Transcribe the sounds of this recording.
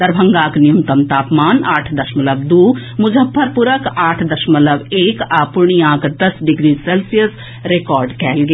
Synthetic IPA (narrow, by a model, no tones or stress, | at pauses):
d̪̥ɐɾbʱɐ̃ŋɡaːknɪjũmt̪ɐmt̪aːpmaːnaːʈʰd̪ɐʃməlɐbd̪uːmʊd͡ʒəbːəɾpʊɾəkaːʈʰd̪ɐʃməlɐbeːkaːpʊɾɳ̃iãːkd̪ɐsɖɪɡɾiːsɛːlsijəs | ɾeːkɔːɾɖkɛːlɡe